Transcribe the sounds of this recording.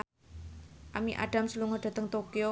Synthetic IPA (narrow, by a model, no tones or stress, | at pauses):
ʔamiʔa̰ɖ̥a̤msəluŋɔɖ̥a̤t̪əŋt̪okio